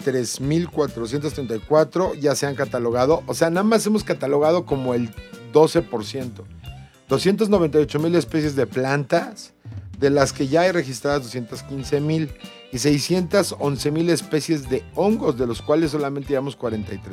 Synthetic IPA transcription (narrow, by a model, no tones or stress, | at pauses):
t̪ɾe̞zmilkwat̪ɾo̞s̬jent̪os̬t̪ɾe̞nt̪ajkwat̪ɾo̞ʝase̞aŋkat̪alo̞ɣ̞aðo̞ʔose̞anaðamasemo̞skat̪alo̞ɣað̞o̞ko̞mo̞e̞ld̪o̞se̞po̞ɾsje̞nt̪o̞ | d̪̥o̞sje̞nt̪̬ozno̞βe̞nt̪ajot͡ʃo̞mile̞spe̞s̬jezðe̞plant̪as | ðe̞laske̞ʝaajre̞xist̪ɾaðazðo̞sjent̪askinse̞mil | is̬e̞jsje̞nt̪aso̞nse̞mile̞spe̞sje̞zðe̞o̞ŋɡo̞zðe̞lo̞skwale̞sːo̞lamẽnt̪eeβamo̞skwaɾe̞nt̪ajt̪ɾe